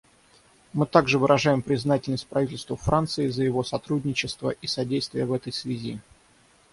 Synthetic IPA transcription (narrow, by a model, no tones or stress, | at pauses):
mɨt̪aɡʐɨvɨɾʔɐʐajɪmpɾʲɪznatʲɪlʲnəsʲt̚ʲpɾɐvitʲɪlʲst̪vəfɾant̪sɨɪzəjɪvo̞sɐt̪ɾudʲnʲɪt͡ɕɪst̪vəʔisɐdʲejst̪vʲɪjəvɛt̪əjsvʲɪzʲi